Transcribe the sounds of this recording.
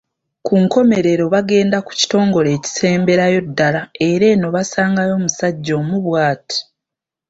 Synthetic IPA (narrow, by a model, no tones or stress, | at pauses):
kʰuŋko̞me̞ɾe̞ɾo̞βaɡe̞ːndaku̥ci̥to̞ːŋɡo̞le̞ːci̥se̞ːmbe̞ɾajo̞dːalae̞ɾe̞no̞βasaːŋɡajo̞ːmusaɟːo̞ːmuβwaːti̥